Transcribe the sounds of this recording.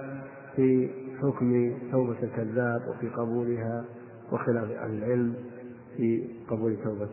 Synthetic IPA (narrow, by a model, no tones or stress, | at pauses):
fiħʊkmt̪awbalkaðːaːbwʔɪ̰fiqɑbuːlɪɦa | wʔɪxɪlaːfʔa̰hlɪlʕɪlm | fiqɑbuːlt̪ːawba